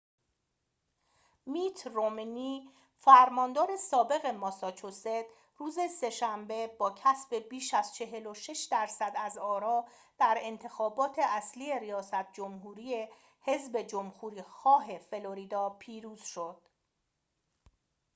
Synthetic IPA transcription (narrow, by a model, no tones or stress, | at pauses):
miːt̪ʰrominiː | fæɾmɒːnd̪ɒːɾe̞sɒːbe̞ɣe̞mɒsɒːt͡ʃʰosed̪̥ | ruːze̞se̞ʃæmbe̞bɒːcʰæsbe̞biːʃæz̥t͡ʃʰe̞ɦe̞lo̞ʃe̞ʃd̪æɾsæd̪æzɒːɾɒː | d̪̥æɾe̞nt̪ʰe̞xɒːbɒːt̪ʰe̞ʔæsliːje̞ɾijɒːsæt̪̚d͡ʒo̞mɦuːɾije | he̞zbe̞d͡ʒomhuːɾiːxɒːɦe̞fe̞lo̞ɾiːd̪ɒːpʰiːɾuːz̥ʃo̞d̪̥